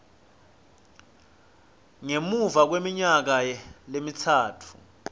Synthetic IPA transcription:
ŋemuvak̬wemiɲak̬alemitʰaːtʰu̥

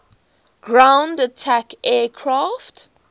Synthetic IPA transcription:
ɡ̥ɹãwndatʰakɛːkʰɹaft

